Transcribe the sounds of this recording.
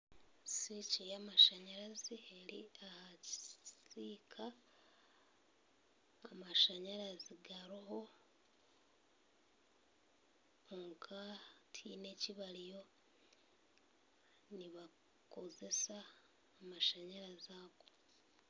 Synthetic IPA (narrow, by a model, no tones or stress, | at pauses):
sicijamaʃaɲaɾazieɾḭahacisiːkʰa | maʃaɲaɾaziɡaɾoɦo | oŋkʰatʰine̞ciβalijo̞ | niβa | koze̞saː | maʃaɲaɾazako